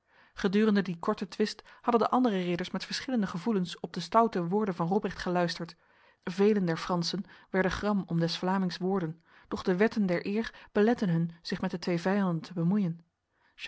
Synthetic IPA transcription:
χədyːrəndədikɔɹtətʋɪsthɑdəndəʔɑndərərɪdəɹsmɛtfəɹsχɪləndəχəvulənsɔb̚dəstʌwtəʋʊːɹdənvɑnrɔbrɛχtχəlœɥstəɹt | vejləndɛɹfrɑnsənʋɛɹdəχrɑmɔmdɛsflaːmɪŋsʋʊːɹdən | d̥ɔχdəʋɛtəndɛɹʔɪːrb̥əlɛtənɦɵnz̥ɪχmɛt̚dətʋejvɛjɑndəntʰəbəmujən

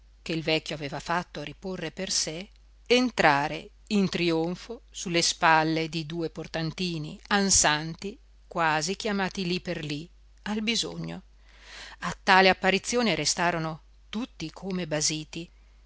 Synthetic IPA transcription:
keilvɛkʲːjoaveːvafat̪ːoɾiporːeperse | ent̪ɾaːɾḛ | int̪ɾioɱfosulːespalːed̪id̪uːeport̪ant̪iːnḭansant̪i | kwaːzik̟jamaːt̪iliperli | albizo̰ɲːo̰ | at̪ːaːleapːaɾit̪sːjoːneɾest̪aːɾono | t̪ut̪ːikʰomebaziːt̪i

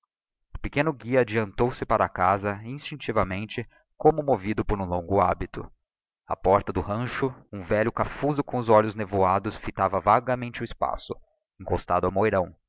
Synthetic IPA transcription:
ʊpekẽnʊɡiɐːd͡ʒiɐ̃nt̪owsɪpaɾɐakazɐĩst͡ʃĩnt͡ʃivɐmẽnt͡ʃɪ | kõmʊmovid̪ʊpoɾũlõŋɡʊabit̪ʊ̰ | ɐ̰pɔɾt̪ɐd̪ʊɦɐ̃ʃʊũvɛʎʊkafuzʊkõʊzɔʎʊznevuad̪ʊsfit̪avɐvaɡɐmẽnt͡ʃɪʊɪspa̰sʊ | ẽŋkost̪ad̪ʊɐwmojɾɐ̃w̃

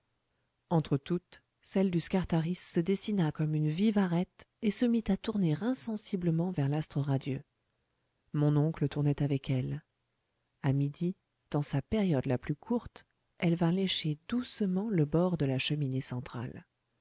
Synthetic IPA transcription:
ɑ̃t̪χət̪ut̪ | sɛld̪yskaʁt̪aʁisːəd̪esinakɔmynvivaʁɛt̪ | esəmit̪at̪uʁneʁɛ̃sɑ̃sibləmɑ̃vɛʁlast̪χəʁad̪jø | mɔ̃nɔ̃klət̪uʁnɛt̪avɛkʰɛl | amid̪i | d̪̥ɑ̃sapɛʁjɔd̪laplykʰuʁt̪ | ɛlvɛ̃leʃed̪usəmɑ̃ləbɔʁd̪əlaʃəminesɑ̃t̪χa̰l

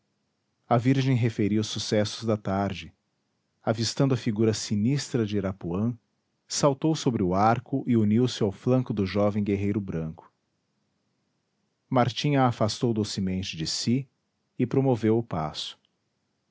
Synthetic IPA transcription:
ɐviɾʒẽj̃ɦefeɾiwʊsusɛsʊzd̪ɐt̪aɾd͡ʒɪ | avist̪ɐ̃nd̪ʊɐfiɡuɾɐsinist̪ɾɐd͡ʒɪɾapuɐ̃ | sawt̪owsobɾɪʊaɾkʊʔɪuniwsɪawflɐ̃ŋkʊd̪ʊʒɔvẽj̃ɡeɦejɾʊbɾɐ̃ŋkʊ̥ | maɾt͡ʃĩɲɐːfast̪owd̪osɪmẽnt͡ʃɪd͡ʒɪsi | ɪpɾomovewʊpa̰sʊ̥

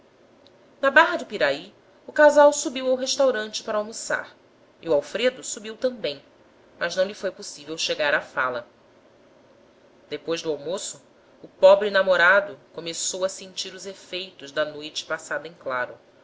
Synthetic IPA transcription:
nɐbaɦɐd̪ɪpiɾai | ʊkazawsubiwawɦeʃt̪awɾɐ̃nt͡ʃɪ̥paɾɐawmosa̰ɾ | iuawfɾed̪ʊsubiwt̪ɐ̃bẽj̃ | mɐʒnɐ̃w̃lifojposivewʃeɡaɾafa̰lɐ | d̪̥epojzd̪ʊawmosʊː | pɔbɾɪnamoɾad̪ʊkomesowɐsẽnt͡ʃiɾʊzefejt̪ʊʒd̪ɐnojt͡ʃɪ̥pasad̪ɐẽj̃klaɾʊ

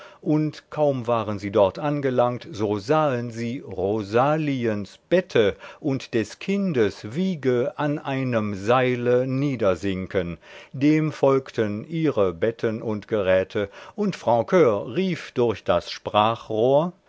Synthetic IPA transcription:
ʔʊntkʰaʊmvaːʁənziːdɔɐtʔanɡəlaŋktz̥oːzaːənziːʁozaːliənsb̥ɛtʰəʔʊntd̥ɛskʰɪndəsv̥iːɡəʔanʔaɪnəmzaɪləniːdɐzɪŋkəndeːmfɔlktʰənʔiːʁəbɛtʰənʔʊntɡ̥əʁɛːtʰəʔʊntfʁ̥aʊkʰøːʁiːfd̥ʊɐçd̥asʃpʁ̥aːχʁoːɐ

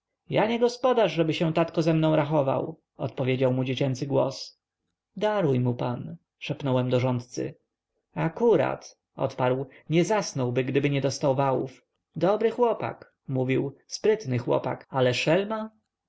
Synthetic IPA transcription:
jaɲɛɡɔspɔd̪aʐʐɛbɘɕɛ̃w̃t̪at̪kɔzɛmnɔ̃w̃ɾaxɔva̰w | ɔt̪pɔvʲjed͡ʑawmud͡ʑet͡ɕɛnt̪sɘɡwɔ̰s | d̪aɾujmupan | ʂɛpnɔwɛmd̪ɔʐɔnt̪t̪sɘ̰ | akuɾa̰t̪ | ʔɔ̰t̪paɾwɲɛzasnɔwbɘɡd̪ɘbɘɲɛd̪ɔst̪awvawṵf | d̪ɔbɾɘxwɔpa̰k | muvʲiwspɾɘt̪nɘxwɔ̰pa̰kalɛʂɛlma

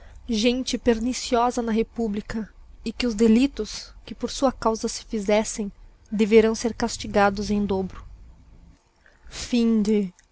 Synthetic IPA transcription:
ʒẽnt͡ʃɪpeɾnisiɔzɐnɐɦepublikɐɪkɪʊzd̪elit̪ʊskɪpoɾsuɐkawzɐsɪ̥fizɛsẽj̃ | d̪eveɾɐ̃w̃seɾkast͡ʃiɡad̪ʊzẽj̃d̪obɾʊ | fĩd͡ʒɪ

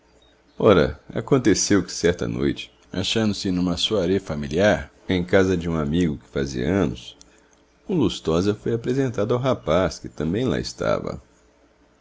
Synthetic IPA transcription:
ɔɾɐ̰a̰kõnt̪esewkɪ̥sɛɾt̪ɐ̰no̰jt͡ʃɪ̥ | a̰ʃɐ̃nd̪ʊsɪnũmɐsuɐɾefamiliaɾ | ẽj̃kazɐd͡ʒɪũamiɡʊkɪ̥fazḭɐ̰ɐ̃nʊs | ʊlust̪ɔzɐfojapɾezẽnt̪ad̪ʊawɦapaskɪt̪ɐ̃mbẽj̃la̰ɪst̪a̰vɐ̰

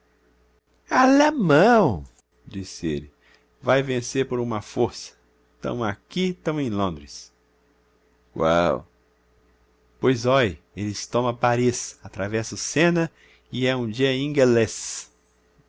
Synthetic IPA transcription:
alemɐ̃w̃ | d͡ʒisɪḛlɪ | vajvẽseɾpoɾũmɐfoɾsɐ̥ | t̪ɐ̰̃w̃akit̪ɐ̃w̃ẽj̃lõnd̪ɾɪs | wa̰w | pojzɔj | elɪst̪õmɐ̃paɾisat̪ɾavɛsɐʊsẽnɐ | ɪɛũd͡ʒiɐĩɡeles

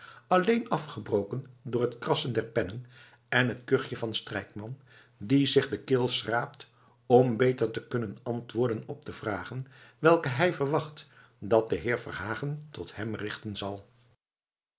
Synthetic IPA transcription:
ɑlejnɑfχəbrowkəndʊːɹɦətkrɑsəndɛɹpɛnən | ɛnɦətkøχjəvɑnstrɛjkmɑn | dizɪχdəkɪːlˠsraːp̚t | ɔmbejtəɹtəkɵnənɑntʋʊːɹdənɔp̚dtəv̥raːχənʋɛlˠkəɦɛjvəɹʋɑχt | dɑt̚dəɦɪːɹvɑ̰nɦaːχəntɔthɛmrɪχtənzɑlˠ

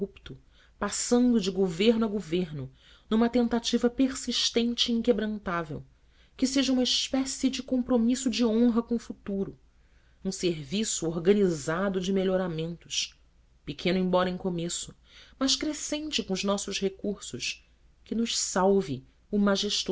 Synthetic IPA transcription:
upt̪ʊ | pasɐ̃nd̪ʊd͡ʒɪɡoveɾnʊɐɡoveɾnʊ | nũmɐt̪ẽnt̪at͡ʃivɐpeɾsiʃt̪ẽnt͡ʃɪĩŋkebɾɐ̃nt̪avḛw | kɪseʒɐũmɐispɛsid͡ʒɪkõmpɾomisʊd͡ʒɪõɦɐkõʊfut̪uɾʊ | ũseɾvisʊoɾɡɐnizad̪ʊd͡ʒɪmeʎoɾamẽnt̪ʊ̥ʃ | pɪkʰẽnʊẽj̃bɔɾɐẽkomesʊ̥ | mɐʃkɾesẽnt͡ʃɪkõʊʒnɔsʊʃhekuɾsʊʃ | kɪnʊʃsawvɪ | ʊmaʒeʃt̪

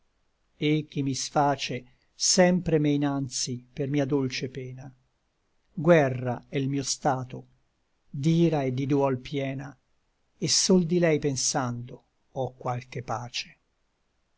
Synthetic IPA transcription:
ek̟ːimːisfaːt͡ʃe | sɛmpɾemejnant̪sipermiːad̪olt͡ʃepɛːna | ɡwɛrːaɛilmiːost̪aːt̪o | d̪iːɾaed̪ːid̪uɔlpjɛːna | esːold̪ilɛjpensand̪o | ɔkːwalkepaːt͡ʃe̥

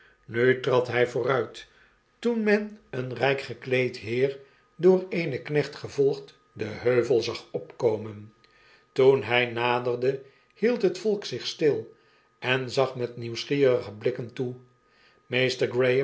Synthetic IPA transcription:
nytrɑtɦɛjvʊːrœɥt | tunmɛnənrɛjkχəklejtɦɪːr | dʊːreɪjnəknɛχtχəvɔlˠχt | dəɦøɥvəlˠzɑχɔpkowmən | tunɦɛjnaːdərdə | hilˠtɦətfɔlˠksɪχstɪlˠ | ɛnzɑχmɛtniwsχiːɾəχəblɪkəntu | mejstəɹɡɹej

